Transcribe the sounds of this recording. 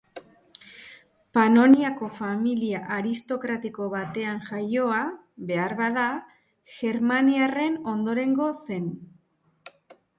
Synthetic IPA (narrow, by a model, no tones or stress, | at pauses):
pano̞niako̞familiaʔaɾist̪o̞kɾat̪iko̞βat̪e̞aŋʝajo̞a | βe̞aɾβaða | ɣʝe̞ɾmaniare̞no̞nd̪o̞ɾe̞ŋɡo̞se̞n